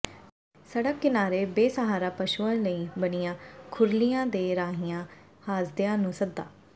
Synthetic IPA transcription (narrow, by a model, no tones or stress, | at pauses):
səɽəkːɪnaːɾeːbeːsəɦaːɾaːpəʃuãləiːbəɽɪjãːkʰʊɾlijãːd̪eːɾaːɦɪjãː | haːsd̪ejãːnũːsəd̪ːa̰ː